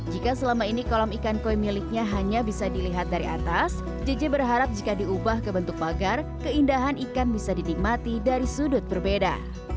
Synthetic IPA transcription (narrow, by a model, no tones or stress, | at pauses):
d͡ʒikasəlamainikolɔmikankojmilɪk̚ɲaɦaɲabisadiliɦat̪̚daɾiʔa̰t̪as | d͡ʒəd͡ʒɛbərɦaɾap̚d͡ʒikadiubahkəbənt̪ʊk̚baɡarkəindaɦanikanbisadinik̚mat̪idaɾisudʊt̪̚bərbeda̰